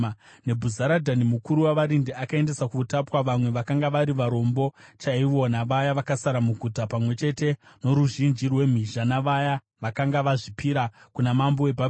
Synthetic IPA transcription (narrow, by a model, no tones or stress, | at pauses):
ne̞bʱuzaɾadʱanimukuɾuwaʋaɾindiakae̞nde̞sakutapwaʋamwe̞ʋakaŋɡaʋaɾiʋaɾo̞mbo̞t͡ʃaiʋo̞naʋajaʋakasaɾamuɡʱutapamwe̞t͡ʃe̞te̞no̞ɾuʒind͡ʒirwe̞m̤iʒanaʋaja | ʋakaŋɡaʋaʐipiɾakunamambo̞webʱa